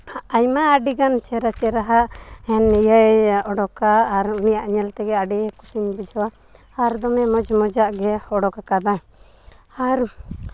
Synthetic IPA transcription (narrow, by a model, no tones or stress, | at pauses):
ajmaːɖiɡant͡ʃɛɾat͡ʃɛɾaɦaʔɛnijaɔɖɔkaːɾnijaʔɲɛlt̪ɛɡɛaɖikusiɲbid͡ʒʱɔwa | aɾd̪ɔmɛmɔd͡ʒmɔd͡ʒaʔɡɛhɔɽɔkakad̪a | aɾ